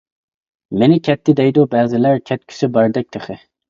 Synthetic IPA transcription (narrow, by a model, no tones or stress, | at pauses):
menɪkʲʰɛt̪ːɪd̪ɛjd̪ubæːzɪlæɾkʲʰɛt̪̚kʲʰy̥sɪbɑɾd̪ɛk̚t̪ʰeχɪ